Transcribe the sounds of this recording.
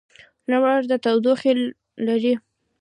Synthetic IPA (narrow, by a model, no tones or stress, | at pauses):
nawaɾd̪ət̪awd̪oxelː | aɾi